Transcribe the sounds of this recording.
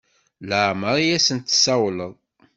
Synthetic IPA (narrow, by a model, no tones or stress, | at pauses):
ləʕməɾˤjæsənt̪ːsæwləðˤ